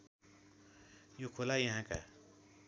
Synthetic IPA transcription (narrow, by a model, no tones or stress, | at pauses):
jukʰolajə̃ɦãka̰